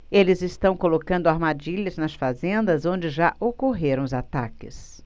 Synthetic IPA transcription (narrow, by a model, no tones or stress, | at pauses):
elɪzɪst̪ɐ̃w̃kolokɐ̃nd̪ʊaɾmad͡ʒiʎɐznɐsfazẽnd̪ɐzõw̃d͡ʒɪʒaʔokoɦeɾɐ̃w̃ʊzat̪akɪs